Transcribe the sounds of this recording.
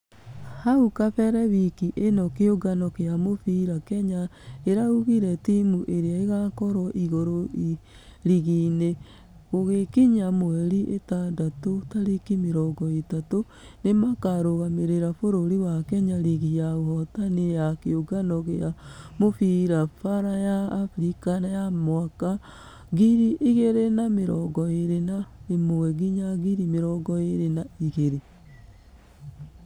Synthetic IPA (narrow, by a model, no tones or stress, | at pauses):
haukafɛɾɛβikiʔenɔkeoɡanɔkeamofiɾakɛɲaeɾauɣiɾɛtimuʔeɾeaeɣakɔɾɔʔiɣoɾoi | ɾiɣine | ɣoɣekiɲamoɛɾiʔetandatotaɾikimeɾɔɡɔetato | nemakaɾoɣameɾeɾafoɾoɾiwakɛɲaɾiɣijaohɔtanejakeoɡanɔɣeamofiɾafaɾajaːfɾikanajamwaka | ɣiɾiʔiɣeɾenameɾɔɡɔeɾenaemowɛɣiɲaɣiɾimeɾɔɡɔeɾenaiɣeɾe